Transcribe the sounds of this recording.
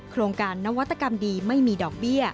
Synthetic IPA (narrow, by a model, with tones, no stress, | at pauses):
kʰɾoː˧ŋkaː˧nːa˦˥wa˦˥t̪ːa˧˩ka˧mdiː˧ma˥˩jmiː˧dɔː˨˩k̚bi˥˩ɐ